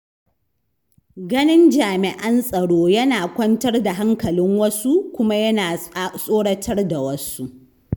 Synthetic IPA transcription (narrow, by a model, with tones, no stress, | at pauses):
ɡɐ˦nɪ˦nd͡ʒaː˨mɪ˨ʔɐ˦nsʼɐ˨ɽoː˦jɐ˦naː˨kʷɐ˦ntɐ˦rda˨ɦa˦ŋkɐ˨lɪ˦ŋwɐ˦su˦kʷʊ˦ma˦jɐ˦naː˨˦sʼoː˦ɽɐ˦tʰɐ˦rda˨wɐ˦su˦ʔ